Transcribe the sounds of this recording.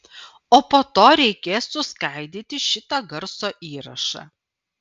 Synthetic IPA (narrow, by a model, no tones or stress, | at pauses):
oːpoːt̪oːɾʲɛɪkʲeːsːʊskɑˑɪd̪ʲiːt̪ʲɪʃʲɪt̪ɐɡɐɾsoːʔiːɾɐ̰ʃɑ̰